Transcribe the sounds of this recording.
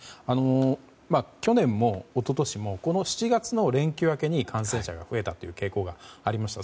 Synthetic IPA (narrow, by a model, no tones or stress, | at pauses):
ano̞ | makʲo̞nẽ̞mːo̞ːt̪o̞t̪o̞ɕimo̞ko̞no̞ɕi̥t͡ɕiɡat͡sɨno̞ɾẽ̞ŋkʲɨːake̞ɲ̟ikʰãs̬ẽ̞ɕaɡa̰ɸɯ̟e̞t̪at̪ːo̞jɯ̟ːke̞ːko̞ːɡaaɾʲimaɕi̥t̪a